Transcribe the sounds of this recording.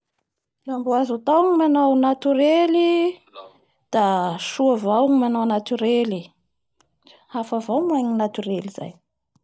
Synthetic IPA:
lambuazut̪awŋimanawnat̪yɾeli | d̪̥aʃuavawŋimanawanat̪yɾeli | afavawmuaɲinat̪yɾeliz̥a̰j

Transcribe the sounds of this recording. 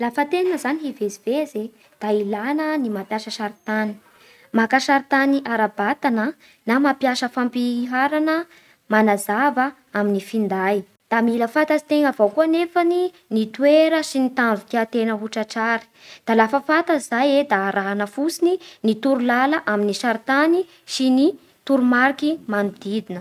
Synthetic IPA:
lafət̪enanəzaniɦiveziv̥eze | d̪̥ailanənimapjaʃəʃaɾit̪ani̥ | makaʃaɾit̪aniʔaɾabat̪anə | namapjaʃəfampiɦaɾanə | manazavə | aminifind̪aj | d̪̥amiləfat̪azi̥t̪eŋavawkuənefani | nit̪ueɾəsinit̪anvut̪iat̪enəɦuʈ͡ʂəʈ͡ʂaɾi̥d̪̥alafəfat̪əzajed̪aːɾʔaɦanəfusininit̪uɾulaləʔaminiʃaɾt̪ani | sini | t̪uɾumaɾkimanud̪̥id̪inə

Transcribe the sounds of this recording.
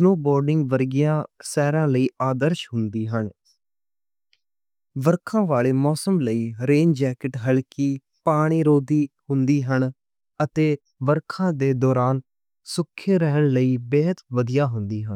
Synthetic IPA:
snoːbɔːɾɖɪŋɡʋəɾɡɪjãːsɛːɾãːləiːaːd̪əɾʃɦʊnd̪iːɦəɳ | ʋəɾkʰãːʋaːleːmɔːsəmləiːɾeːnd͡ʒɛːkɪʈɦəlkiː | paːɽ̃iːɾoːd̪iːhʊnd̪iːɦən | ət̪eː | ʋəɾkʰãːd̪eːd̪ɔːɾaːn | sʊkʰːeːɾəɦəɳləiːbɛːɦət̪ʋəd̪ijaːɦʊnd̪iːɦən

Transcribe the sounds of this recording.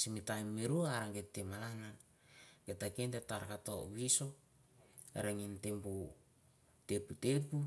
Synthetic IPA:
simitajmːiɾuaɾaŋɡetːemalaŋa | ɡetakentetaɾkato̰βiso̞ | ḛɾeŋintempu | teputepu

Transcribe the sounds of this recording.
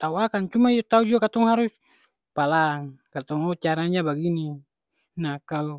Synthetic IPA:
t̪auakant͡ʃumaiot̪aud͡ʒuakat̪ɔŋɦaɾus | palaŋkat̪ɔŋɔt͡ʃaɾaɲabaɡini | nakalu

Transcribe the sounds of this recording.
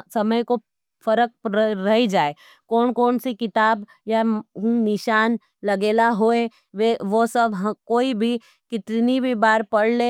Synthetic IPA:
sɐməjko | pʰɐɾək̚pɾəɦid͡ʒaːe | koːnkoːnsikɪt̪aːb | jaɦũnɪʃaːn | lɐɡeːlaɦoːe | ʋeʋosəbʱɦkoːibʱi | kɪt̪ɾnibʱibaːɾpɐɽ̤le

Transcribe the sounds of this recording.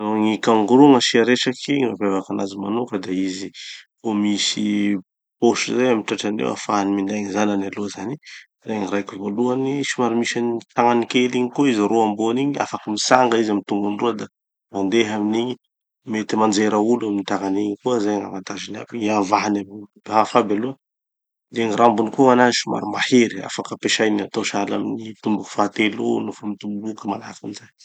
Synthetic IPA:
noŋikaŋɡuɾuŋəʃiaɾeʈ͡ʂakiɲimavevakanazimanukəd̪aizi | omisi | poʃuzajamiʈ͡ʂaʈ͡ʂanḛwa̰faɦanimind̪ajŋizananaluazani | reŋiɾajkivoluanisimaɾimisanit̪aŋanikeliɲikoizaɾoamboniɲia̰fakəmisaŋɡəizamit̪uŋɡunruəd̪a | mand̪eɦaminiɲi | met̪imand͡ʒeɾauluaminit̪aŋaniɲikuəzajaŋa̰ŋant̪azina̰kiiavaɦanamibɦafabeluə | d̪eŋiɾambunikoanazi̥suma̰ɾimaheɾia̰fakəpeʃajniat̪aʃalaminit̪umbuku̥fat̪elo̰nufamit̪ubukəmala̰kinizaj

